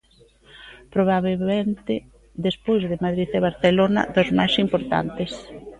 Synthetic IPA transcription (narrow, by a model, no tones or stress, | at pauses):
pɾoβ̞aβement̪ɪ | d̪espojzðemaðɾiθeβaɾθelonɐ̰ðozmajsimpoɾt̪a̰nt̪ɪs